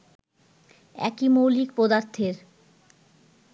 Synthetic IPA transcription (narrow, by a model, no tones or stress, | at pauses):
ɛ̰kimowlikpod̪aɾt̪ʰeɾ